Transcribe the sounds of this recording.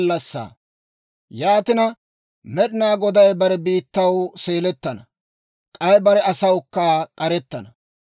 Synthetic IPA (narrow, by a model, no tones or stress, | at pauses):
lːɐsːa̰ː | jaːt̪ɪnɐ | mɛɗɪnaːɡɔd̪ɐjbɐɾɛbiːt̪ːɐwseːlɛt̪ːɐnɐ | kʼɐjbɐɾɛɐsɐwʊkːaːkʼɐɾɛt̪ːɐnɐ